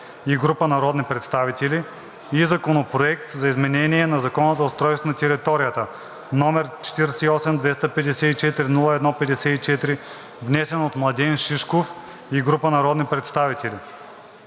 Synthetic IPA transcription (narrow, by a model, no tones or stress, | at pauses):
iɡɾupənɐɾɔd̪nipɾɛt̪st̪avit̪ɛli | izɐkonopɾoɛk̚t̪zɐizmɛnɛniɛnɐzɐkɔnəzɐʊst̪ɾɔjst̪vonɐt̪ɛɾit̪ɔɾijət̪ə | nɔmɛɾt͡ʃɛ̥t̪iɾsɛiɔsɛmd̪vɛst̪əpɛd̪ɛsɛit͡ʃɛt̪iɾinulˠəɛd̪nɔpɛd̪ɛsɛit͡ʃɛt̪ɾi | vnɛsɛnot̪mlˠɐd̪ɛnʃiʃkof | iɡɾupənɐɾɔd̪nipɾɛt̪st̪avit̪ɛli